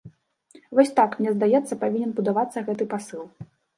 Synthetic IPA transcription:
vɔsʲt̪akmnʲɛzd̪ajɛt̪sːɐpavʲinʲɛnbud̪avat̪sːɐɣɛt̪̬ɨpasɨlˠ

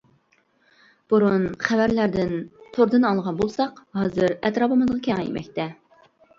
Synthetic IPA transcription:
b̥uɾunχævæɾlæɾd̪ɪnt̪ʰoɾd̪ɨnɑlˠʁɑnbolˠsɑqɦɑːzɨɾɛt̪ɾɑːpɨmɨzʁɑkʲʰɛŋɛjḭmɛ̰k̚ʲt̪ɛ

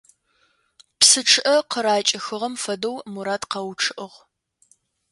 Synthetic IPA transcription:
psɨʈ͡ʂʰɨʔɐqəɾaːt͡ʃʼɪxɨʁɐmfɐdɐwmuɾaːtqɐwʈ͡ʂʰɨʔɨʁ

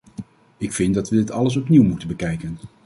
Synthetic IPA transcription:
ɪkfɪndɑtʋədɪtɑləs̬ɔpniwmutənbəkɛjkən

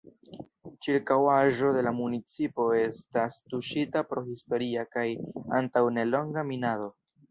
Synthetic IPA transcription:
t͡ʃiɾkawaʒo̞de̞lamunit͡sipo̞e̞stastuʃitapɾo̞histo̞ɾiakaja̰ntawne̞lo̞ŋɡaminado̞

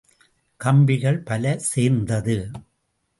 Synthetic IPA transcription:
kɐmbɪɣɐɭpɐlɐseːɾnd̪ɐðɯ

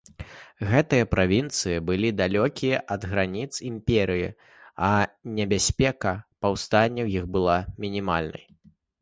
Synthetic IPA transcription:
ɣɛt̪ɨjɐpɾavʲint̪sɨjɐbɨlʲid̪alʲɔkʲijɐʔɐd̪ɣɾanʲit̪simpʲɛɾɨjḭ | ɐnʲɛbʲasʲpʲɛkɐpawst̪anʲːɐwjixbɨlˠamʲinʲima̰lʲnɐ̰j

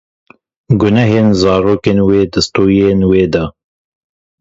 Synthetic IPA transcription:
ɡʊnɛɦeːnzɑːɾoːkeːnweːd̪ɨst̪uːienweːd̪ɐ

